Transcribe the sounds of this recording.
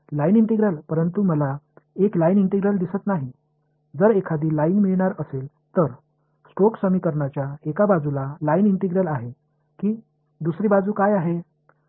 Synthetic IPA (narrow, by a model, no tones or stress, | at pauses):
lainiɳʈiɡɾəlpəɾənt̪uməlaeklainiɳʈiɡɾəld̪isət̪naɦi | d͡zəɾekʰad̪iːlaiŋɡmiɭɳ̃aɾəsel | t̪əɾ | sʈoksəmiːkəɾɳat͡ɕjaekabad͡zulalainiɳʈiɡɾəlaɦe | kiː | d̪usɾiːbad͡zuːkajaɦe